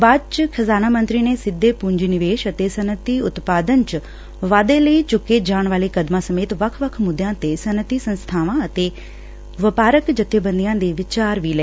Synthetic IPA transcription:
baːt͡ʃkʰəzaːnaːmə̃nt̪ɾiːnesɪd̪ʱːeːpʊɲd͡ʒinɪʋeːʃət̪esənət̪iʊt̪paːd̪ənt͡ʃ | ʋaːd̪eləit͡ʃʊkːed͡ʒaːɳ̃ʋaːlikəd̪mãsɐmeːt̪ʋəkʰʋəkʰmʊd̪ʱjãːt̪esənət̪isə̃nst̪ʰaːʋãət̪eː | ʋəpaːɾəkd͡ʒət̪ːebə̃nd̪ijãːd̪eːʋɪt͡ʃaːɾʋiːlɛː

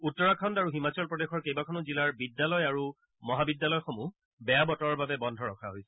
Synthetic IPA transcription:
utːɔɹakʰɔndaɹuɦimat͡ɕɔlpɹɔdexɔɹkejbakʰɔnʊzilaɹbidːalɔjaɹu | mɔɦabidːalɔjxomu | bɛjabɔtɔɹɔɹbabɛbɔndʱɔɹɔkʰaɦojsɛ̥

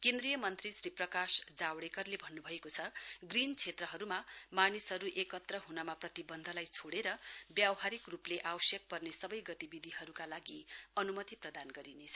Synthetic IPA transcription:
kend̪rijʌmʌnt̪risɾiprʌkasd͡zawɽekʌrlebʱʌnːubʱʌekot͡sʰʌɡrint͡sʰet̪rʌɦʌɾumamanisɦʌɾuʔekʌt̪rʌɦunʌmaprʌt̪ibʌnd̪ʱʌlajt͡sʰoɽeɾʌbjawɦaɾikrupleʔawʌsjʌk̚pʌrnesʌbʌjɡʌt̪ibid̪ʱiɦʌɾukalaɡiʌnumʌt̪iprʌd̪anɡʌɾinet͡sʰʌ

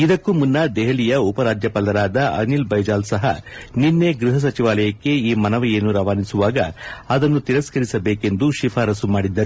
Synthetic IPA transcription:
id̪ɐkːumunːɐd̪ɛɦɐlijɐupɐɾaːd͡ʒjɐpɐlɐɾaːd̪ɐʔɐ̰nilbɐjd͡ʒaːlsɐɦɐ̰ninːeɡɾiɦɐs̬ɐt͡ʃiʋaːlɐjɐkːe̞iːmɐnɐʋɐjeːnːuɾɐʋaːnisuʋaːɡɐ̰ɐd̪ɐnːut̪iɾɐskɐɾisɐbeːke̞nd̪uʃipʰaːɾɐsumaːɽid̪ːɐɾu

